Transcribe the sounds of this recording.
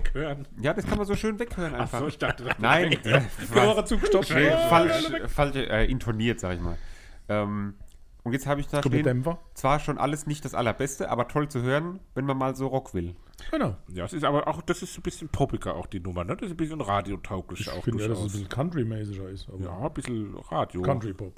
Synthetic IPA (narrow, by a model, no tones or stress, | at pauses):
khøːʁənjaːdaskʰanmanzoːʃøːnvɛkhøːʁənʔaɪnfaoːçd̥aχtədsnaɪnavaʁət͡suːɡəʃɔefalʃfalʃʔɛ̰ːʔɪntʰoniːɐtz̥aːɡəɪçma̰ːlʔɛːm | ʔʊntjɛt͡sthaːbəɪçḁdeːndɛmfɐt͡sv̥aːɐʃoːnʔa̰ləsnɪçt̚d̥asʔa̰lɐbɛstəʔa̰ːbɐtʰɔlt͡suhøːʁənvɛnmanmaːlzoːʁɔkv̥ɪl | ɡ̥ənaʊja̰ːsɪstaːbɐʔaʊxd̥asɪstzonbɪsçənpʰɔbɪɡɐʔa̰ʊxd̥iːnʊmɐnəd̥ɐssnbɪsçənʁaːdjotʰaʊklɪʃa̰ʊxfɪn̥dʊadassbɪsl̩kʰantʁ̥imɛːs̬ɪçɐɪsaja̰ːb̥ɪsl̩ʁaːdjoːkːantɹipʰɔp